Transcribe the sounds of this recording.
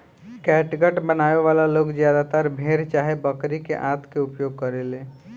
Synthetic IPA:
kɛʈɡəʈbənaeʋalaloɡzjad̪at̪əɾbʱeɾt͡ʃaɦebəkɾikḛʔat̪keupjoɡ̚kəɾelẽ

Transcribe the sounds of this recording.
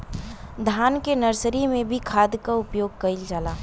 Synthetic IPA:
d̪ʱaːnkenəɾsɾimẽbʱikʰaːd̪kaʊpjoːɡ̚kɐɪld͡ʒaːlaː

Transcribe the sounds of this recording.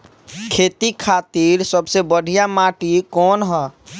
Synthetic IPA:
kʰeːt̪ikʰaːt̪iːɾsəbsebəɖʱijamaːʈikɔːnɦɛ

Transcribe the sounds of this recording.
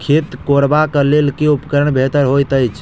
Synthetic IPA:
kʰet̪koɾbakəlelkeupəkəɾəɳbʱet̪əɾɦojt̪əjt͡ʃʰ

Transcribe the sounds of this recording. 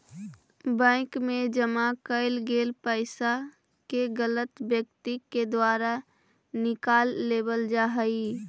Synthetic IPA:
bə̃ɪ̃kmẽd͡ʒəmakəɪlɡeːlpəɪsa | keɡələt̪bjəkt̪iked̪waːɾa | nɪkaːlːeːbəld͡ʒaɦəi

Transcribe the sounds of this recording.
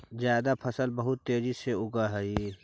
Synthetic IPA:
zjaːd̪apʰəsəlbəɦʊt̪ːeːd͡ʒiseʊɡaɦɛi

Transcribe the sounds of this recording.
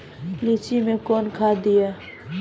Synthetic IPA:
lit͡ʃimẽkɔːnkʰaːd̪ɪja

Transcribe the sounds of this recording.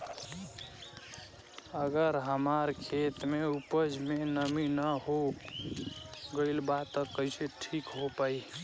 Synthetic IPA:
əɡəɾɦəmaɾkʰet̪meupəd͡ʒmenəminəɦo | ɡəɪlbat̪ːəkəɪseʈʰikɦopai

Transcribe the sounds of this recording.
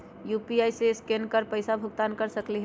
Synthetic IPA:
juːpiaːiseskenkəɾpəɪsabʱʊɡt̪aːnkəɾsəkliɦ

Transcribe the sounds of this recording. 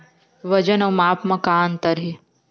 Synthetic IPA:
ʋɐd͡ʒɐnɐwmaːpmɐkaːnt̪ɐɾɦi

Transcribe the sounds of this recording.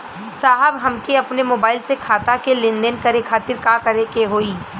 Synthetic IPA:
saːɦəbɦɐmkiɐpnemoːbaːɪlsekʰaːt̪akelɪ̃nd̪ənkɐɾekʰaːt̪ɪɾkakɐɾekeɦoːiː

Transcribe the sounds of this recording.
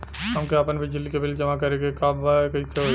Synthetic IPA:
ɦɐmkeapənbʱid͡ʒɪlːikebɪld͡ʒɐmakɐɾeɡekabakɐiseɦo

